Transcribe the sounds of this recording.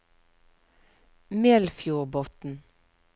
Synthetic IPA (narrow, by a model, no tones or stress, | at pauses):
meːlfjuːʁbɔt̪n̩